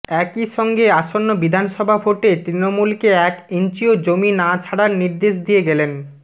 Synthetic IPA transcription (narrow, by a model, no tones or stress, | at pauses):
ɛkiʃɔŋɡeaʃonːobid̪ʱanʃɔbʱabʱoʈet̪ɾinomulkeɛkent͡ɕiod͡ʑominat͡ɕʰaɽaɾniɾd̪eʃd̪ijeɡɛlen